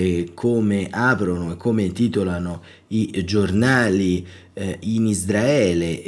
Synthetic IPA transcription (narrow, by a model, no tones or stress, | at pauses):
kʰoːmeʔaːpɾonoekːoːmeint̪iːt̪olano | id͡ʒornaːli | inizd̪ɾaɛːle